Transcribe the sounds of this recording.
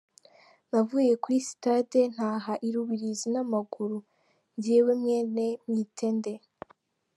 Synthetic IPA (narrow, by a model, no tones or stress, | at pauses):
navuje̞kwisi̥taden̥haːɦaʔiɾuβiɾizinamaɡuɾu | ɲɟiwemŋe̞ːnemɲitʰe̞nde̞